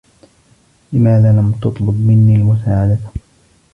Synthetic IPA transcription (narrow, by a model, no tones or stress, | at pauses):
lɪmaːðaːlamt̪ɑt̪ˤlʊbmɪnːiːlmʊs̬aːʕad̪a